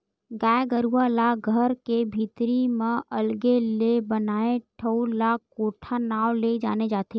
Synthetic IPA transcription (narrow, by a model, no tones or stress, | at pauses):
ɡaɡəɾuʋalaɡʱəɾkebʱit̪ɾimãʔəlɡelebənaːeʈʰəulakːoːʈʰanaːʋled͡ʒa̰ːned͡ʒaːt̪e